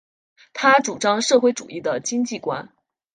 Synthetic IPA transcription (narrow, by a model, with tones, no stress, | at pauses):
t̪ʰa˥ʈ͡ʂu˨˩ʈ͡ʂɑ˥ŋʂɤ˥˧xwe˥˩ɪʈ͡ʂṵ˨˩i˥˩d̪ə˩t͡ɕi˥ŋt͡ɕi˥˩kwa̰˥n